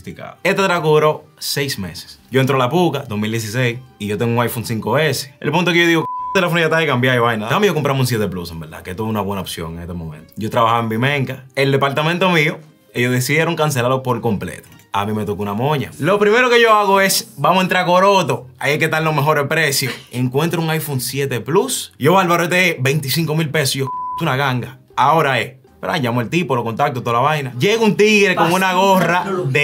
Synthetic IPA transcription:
t̪ika̰ðoet̪at̪ɾakoðuɾo̞ | sejsmḛse̥sɟ͡ʝo̞ent̪ɾolapukad̪osmild̪jes̬isejsiʝo̞t̪eŋɡuŋajfoŋsiŋkoβese̥ḛlpunt̪okeʝoðiɣokt̪elefonijat̪aikambjaoβajnaðaamejokompɾamuns̬et̪eplusembeɾða̰ket̪oβunaβwenaopsjo̰ŋeŋet̪emomḛ̃nt̪o̥ɟ͡ʝot̪ɾaβahaβembimẽŋkaeld̪epaɾt̪amẽnt̪o̞mio | ejosðesiðje̞ɾoŋkans̬e̞laɾopoɾlkomplḛt̪o̥ | a̰mimet̪okunamõɲa̰lo̞pɾimeɾoke̞ʝo̞aɣoe̞sbamoent̪ɾakoɾo̞t̪oa̰jejket̪aɾlomeɦo̞ɾehpɾesjoeŋkwe̞nt̪ɾouŋajfoŋsjet̪eplusʝoβalβaɾot̪eebe̞jnt̪isiŋko̞milpesjot̪unaɣaŋɡa | ao̞ɾae | peɾa̰ɲʝamoelt̪ipolokont̪ak̚t̪ot̪olaβajnaʝeɣunt̪iɣɾeko̞ŋunaɣoraðe

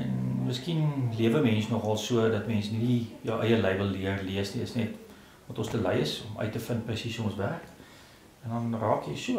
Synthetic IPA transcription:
ɛnməskinliəvəmɛnsnɔχɐlˠsuədɐtmɛnsnidijəwʔəjəlɛjvəlˠːiərliəsniəsnɛt | vɐtɔnstələjəsɔmœ̰ɥtəfənprəsisuɔnsværk | ɛndɐnrɑːkjəjsuə

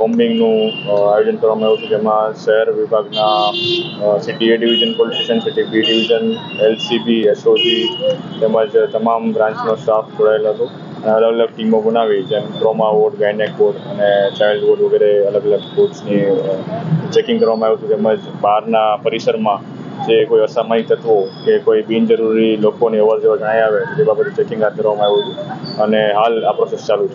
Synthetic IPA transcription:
bombɪ̃ŋɡnũajod͡ʒənkəɾʋamãaɦjũt͡ʃʰũd͡ʒemãʃəɦəɾʋɪbʱaɡna | siʈieɖiʋid͡ʒənpɔliʈiʃənsiʈibiɖɪʋid͡ʒənelsibiesosit̪emə̃d͡ʒt̪əmambɾãɲt͡ʃnostapʰd͡ʒoɽaeloɦət̪õ | əneələɡələɡ̚ʈimobənaʋit̪empɾomaʋoɾʈɡajnekʋoɾʈənet͡ʃajlɖʋoɖʋəɡɛɾeələɡələɡkoʈsni | t͡ʃekɪ̃ŋɡkəɾʋamãʋut̪ũt̪eməd͡ʒbaɾnapəɾisəɾmã | d͡ʒekoiəsamaɦit̪ʰət̪ʋokekoibind͡ʒəɾuɾilokoniəʋəɾd͡ʒeʋad͡ʒəɽ̃aiaʋet̪od͡ʒebabət̪et͡ʃekɪ̃ŋɡad̪̚d̪əɾʋamãaʋiut̪ũəneɦalapɾosest͡ʃalũt͡ʃʰe

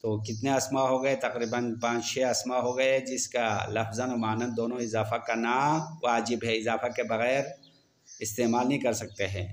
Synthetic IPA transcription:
t̪oːkɪt̪neɐsmaɦoɡɐet̪ɐqɾiːbənpãːt͡ʃt͡ʃʰɛɐsmaɦoɡɐeɛ̃d͡ʒɪskalɐfzənomaːnənd̪oːnõɪzaːfakanawaːd͡ʒɪbɦɛɪzaːfakebɐɣɛːɾ | ɪst̪eːmaːlnɐɦĩkɐɾsɐk̚t̪eɦɛ̃ː

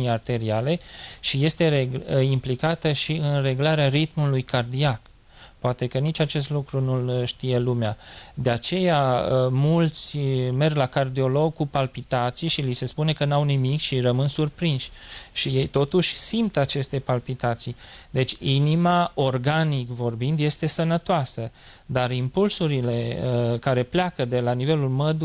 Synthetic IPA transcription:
art̪e̞ɾiale̞ʃije̞st̪e̞eimplikat̪əʃiɨnre̞ɡulaɾearit̪mulujkard̪iak | poat̪e̞kənit͡ʃʲat͡ʃe̞s̬t̪lukɾunulʃt̪ije̞lumead̪e̞at͡ʃe̞jaəmult̪sʲme̞rɡlakard̪io̞lo̞ɡ̚kupalpit̪at̪sijʃilise̞spune̞kənawnimikʃirəmɨnsurpɾinʃʲʃije̞jt̪o̞t̪uʃʲsimt̪at͡ʃe̞st̪e̞palpit̪at̪sijd̪e̞t͡ʃʲinimao̞rɡanikvo̞rbind̪je̞st̪e̞sənət̪oasə | d̪arimpulsuɾile̞əkaɾe̞pleakəd̪e̞lanive̞lulməd̪

